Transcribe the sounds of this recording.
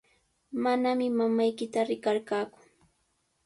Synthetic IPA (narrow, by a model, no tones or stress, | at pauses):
manamɪmamajkɪt̪aɾɪkaɾkaːkʊ̥